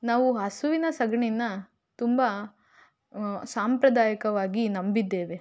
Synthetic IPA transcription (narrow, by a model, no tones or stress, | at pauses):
naːʋuɦɐsuʋinɐsɐɡɐɳinːɐ | t̪umbɐ | saːmpɾɐd̪aːjɐkɐʋaːɡinɐmbid̪ːe̞ːʋe̞